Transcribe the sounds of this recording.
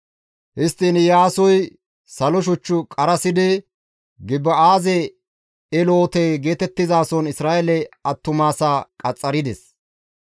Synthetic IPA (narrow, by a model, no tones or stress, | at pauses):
hɪst̪ːinjaːsɔj | sɐlɔʃ̬ɔt͡ʃːʊkʼɐɾɐsɪd̪ɪ | ɡɪbːɐaːzɛ | ɛloːt̪ɛɡe̞ːt̪ɛt̪ːɪzaːsɔnɪsɾaːʔɛlɛɐt̪ːʊmaːsaːkʼɐt͡sʼːɐɾɪd̪ɛs